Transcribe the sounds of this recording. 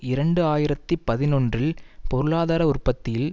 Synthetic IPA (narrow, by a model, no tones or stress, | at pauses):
ɪɾɐɳɖɯaːjɪɾɐt̪ːipɐðɪnɔndrɪlpɔɾɯɭaːðaːɾɐʊrpɐt̪ːɪjɪl